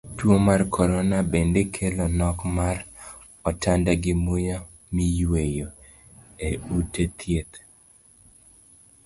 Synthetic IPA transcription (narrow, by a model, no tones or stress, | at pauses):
twomarkʰɔɾɔnabendekʰelɔnɔkmar | ɔtandaɡɪmoja | mijwejo | eutet̪ʰjet̪